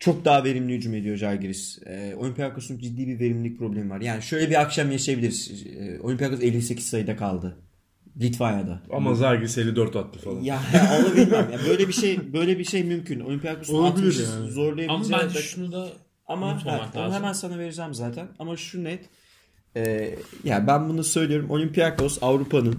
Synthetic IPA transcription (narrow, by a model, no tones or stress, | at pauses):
t͡ʃʰo̞k̚d̪aːave̞ɾimlʲijyd͡ʒume̞d̪ijo̞ʒaɾɡɾis | ɛːo̞̰lʲympʰijakosunud͡ʒid̪ːiːbive̞ɾimlʲic̚pʰɾo̞blʲemivaɾjaːniʃø̞jlʲɛbiakʃamjaʃajabilʲiɾiz̥̰o̞lʲympijakoselʲːise̞cʰizsajɯd̪akʰalˠd̪ɯ | lʲit̪fajad̪a̰a̰mazaɾɡɾiselʲːid̪øɾt̪vat̪ʰːɯ̥falˠajaaonˠabiimjaːbøjlʲebiʃe̞jbø̞jlʲebiʃe̞jmymcʰynolʲympijakosˠt̪lʲiʃzo̞ɾlˠajaiiized͡ʒaʃunud̪a | amahɛbonɦɛmænsanave̞ɾid͡ʒæmzaːt̪ʰænamaʃunɛt̪ | ɛːjabænbunusø̞jlʲijo̞ɾumʔo̞lʲympijako̞savɾupanɯn